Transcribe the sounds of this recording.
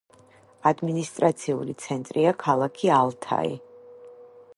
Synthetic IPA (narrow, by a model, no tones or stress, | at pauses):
ad̪minist̪ʼɾat̪sʰiṵlit̪sʰɛnt̪ʼɾiakʰalˠakʰialˠt̪ʰa̰ḭ